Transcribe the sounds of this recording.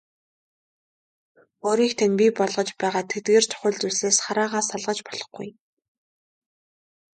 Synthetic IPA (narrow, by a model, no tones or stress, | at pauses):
oːɾiːxt̪ʰænpʲipɔɮʁɞ̆t͡ɕpæːʁaːt̪ʰet̪̚ɡeːr̥t̪ʰœ̥xʲʊ̆ɮt͡suseːsχaɾaːʁaːsaɮʁə̆t͡ɕpɔɮ̥ɞ̆χɡṵj